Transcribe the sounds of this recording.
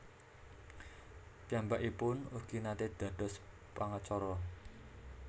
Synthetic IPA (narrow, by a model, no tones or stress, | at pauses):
pjambaʔipʊnurɡ̥inat̪ed̪̥ä̤d̪̥ɔ̤s | paŋət͡ʃɔɾɔ